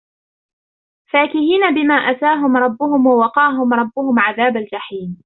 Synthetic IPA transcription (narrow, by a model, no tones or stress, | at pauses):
faːkɪhiːnabɪmaːʔat̪aːɦʊmɾˤɑbːʊhʊmwawɑqɑːɦʊmɾˤɑbːʊhʊmʕaðaːbald͡ʒaħiːn